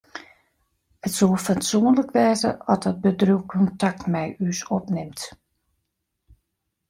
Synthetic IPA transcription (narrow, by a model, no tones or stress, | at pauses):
ətsolˠfatsuənləkʋɛːzə̰ɔt̚ɔt̚bədruwkʰɔntak̚tmɛjysɔpnɪmt